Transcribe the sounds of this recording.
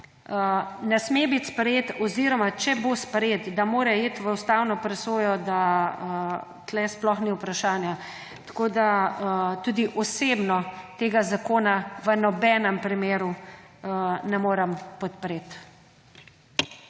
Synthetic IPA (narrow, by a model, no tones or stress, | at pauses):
ənɛsmebit̪spɾɛjeːt̪ɔziɾɔmat͡ʃɛbospɾet̪d̪amoːɾɛeːt̪ʋəust̪awnɔpɾɛsoːjɔd̪aə | t̪lɛsplɔxniupɾaʃaːnja | t̪ḁkoːd̪aət̪uːd̪iʔɔseːbnɔt̪eːɡazakoːnaʋənɔbɛnɛmpɾimeːɾu | nɛmoːɾɛmpɔt̪̚pɾeːt̪